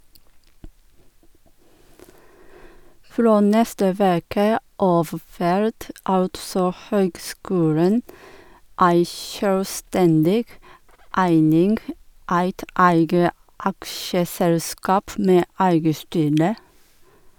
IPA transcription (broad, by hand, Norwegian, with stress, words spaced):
ˈfɾoː ˈnɛstə ˈʋeːkə ˈɑːf ˈfæɾt ˈɑltsɔ ˈhøːɡˌskʉːlən ˈæɪ ʃœlˈstɛndɪɡ ˈæɪnɪŋɡ ˈæɪt ˈæɪɡə ˈɑkʃəˌsɛlˌskɑːp ˈmeː ˈæɪɡə ˈstyːɾə